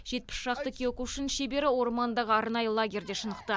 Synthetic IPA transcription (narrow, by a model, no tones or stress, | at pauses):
ʒ̥e̞t̪̚pɪ̥sʃɑqt̪əkʲʰeokuʊʃɪnʃe̞be̞ɾɪwo̞ɾmɑnd̪ɑʁəɑɾnɑjəlˠaɡʲe̞ɾd̪e̞ʃənəqt̪ə